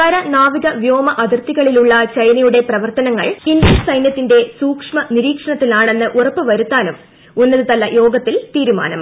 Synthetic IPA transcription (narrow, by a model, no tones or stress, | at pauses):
k̪ɐɾɐnaːʋiɣɐʋjo̞ːmɐʔɐd̪ʱirt̪iɣɐɭiluɭːɐt͡ɕɐjnɐjuɽe̞prɐʋɐrt̪ɐnɐŋːɐɭindlɐnsɐjnjɐt̪ːinde̞suːkʂmɐniɾiːkʂɐɳɐt̪ːilaːɳe̞nːɨʔurɐpːɨʋɐɾut̪ːaːnum | unːɐðɨt̪ɐlːɐjo̞ːɡɐt̪ːilt̪iːɾuma̰ːnɐm